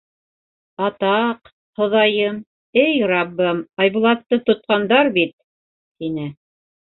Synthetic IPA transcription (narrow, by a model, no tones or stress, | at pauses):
ɑt̪ɑq | hŏðɑjɤm | ɘjrɑbːɤmɑjβulˠɑt̪ːɤt̪ŏt̪̚qɑnd̪ɑɾbit̪̚ | t̪inɘ